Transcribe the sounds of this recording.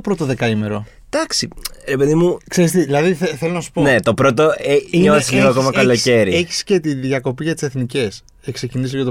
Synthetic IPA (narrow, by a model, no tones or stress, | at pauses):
opɾo̞t̪oðe̞kɐime̞ɾo̞ | d̪̥ɐksiɾe̞pe̞ðimukse̞ɾist̪iðilɐðiθeθelo̞nɐsu̥ponet̪o̞pɾot̪o̞eineosiliɣoɐko̞mɐkɐlo̞ce̞ɾieççi̥sce̞t̪iðʝjɐko̞piʝɐt̪i̥se̞θnice̞s | ekse̞cinis̬ɣɐt̪o